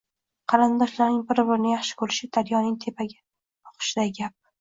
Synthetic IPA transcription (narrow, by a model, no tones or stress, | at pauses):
qʰɑɾand̪ɒʃlaɾnɪŋbɪɾbɪɾnɪjaχʃɪ̥kʰɵɾɪʃɪd̪̥aɾjɒnɪŋt̪ʰe̞pʰaɡʲa | ɒ̥qʰʊ̥ʃɪd̪aɡʲap̚